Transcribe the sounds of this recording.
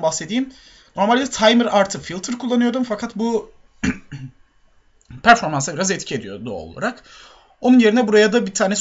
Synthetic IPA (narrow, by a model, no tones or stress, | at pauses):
baxse̞d̪iːm | no̞ɾmalʲd̪ɛt̪ʰajmɯɾaɾt̪ʰɯfilʲˠt̪ʰɯɾkʰulˠːanɯjo̞d̪umfakʰat̪bu | pʰæɾfo̞ɾmansabiɾazɛt̪cʰie̞d̪ijod̪uo̰lˠa̰ɾak | o̞nunje̞ɾinɛbuɾajad̪abit̪ʰaːnɛs